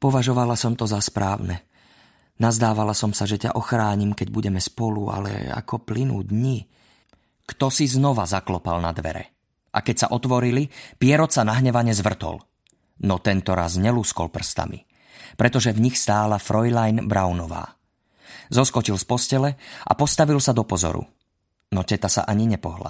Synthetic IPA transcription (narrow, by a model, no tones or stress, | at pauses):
pɔʋaʒɔʋalasɔmt̪ɔzaspɾaːʊnɛ | nazd̪aːʋalasɔmsaʒɛca̰ʔɔxɾaːɲimkɛɟbuɟɛmɛspɔlua̰lɛ̰a̰kɔplinṵːd̪ɲi | kt̪ɔsiznɔʋazaklɔpalnad̪ʋɛ̰ɾɛ̰ | ʔa̰kɛcsa̰ʔɔt̪ʋɔɾilipɪɛɾɔt̪sanaɦɲɛʋaɲɛzʋr̩t̪ɔ̰l | nɔt̪ɛnt̪ɔɾa̰zɲɛluskɔ̰lpr̩st̪a̰mḭ | pɾɛt̪ɔʒɛvɲixst̪aːlafɾʔɔjlajnbɾawnɔʋa̰ː | zɔskɔt͡ʃilspɔscɛlɛʔa̰pɔst̪aʋilsad̪ɔpɔzɔ̰ɾṵ | nɔcɛt̪asa̰ʔaɲiɲɛpɔɦla̰